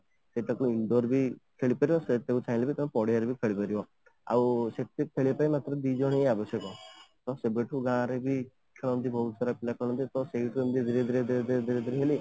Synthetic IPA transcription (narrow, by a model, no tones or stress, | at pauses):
seʈakuiɳɖoɾbʱikʰeɭipaɾibɔset̪eut͡ʃʰaj̃lebʱit̪amepɔɽejaɾebʱikʰeɭipaɾibɔ | a̰wset̪epʰeɭipaimat̪ɾɔd̪id͡ʒɔɽ̃eeabɔsjɔkɔt̪ɔsebeʈʰuɡãːɾebʱi | kʰeɭɔnt̪ibɔɦut̪saɾapilakɔ̃ɔ̃nt̪it̪ɔseiʈʰuemd̪id̪iɾed̪iɾed̪iɾed̪iɾed̪iɾed̪iɾiɦeli